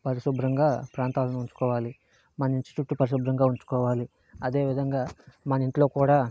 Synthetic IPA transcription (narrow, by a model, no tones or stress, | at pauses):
pɐɾiʃubɾɐŋɡaːpɾaːnt̪aːlɐnuuɲt͡ʃu̥kɔːʋaːli | mɐniɲt͡ʃi̥t͡ʃuʈːupɐɾiʃ̬ubɾɐŋɡaːuɲt͡ʃu̥kɔːʋaːli | ɐd̪e̞ːʋid̪ʱɐŋɡaːmɐniɳʈlo̞ːkuːɽaː